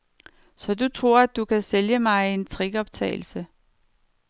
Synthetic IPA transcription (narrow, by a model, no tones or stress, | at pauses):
sɒ̽dut͡sʰʁo̝ɐ̰æd̥ːukʰæseljəmɑ̈ɪe̝nt͡sʰʁiɡ̥ɒ̽b̥̚t͡sʰɛ̰ːɪl̩sə